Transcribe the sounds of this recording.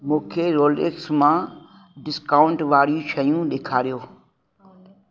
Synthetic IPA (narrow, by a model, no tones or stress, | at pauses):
mũːkʰeɾoːleːksmã | ɖɪskaːʊɳʈʋaːɾijũʃɐjũɗeːkʰaːɾijoː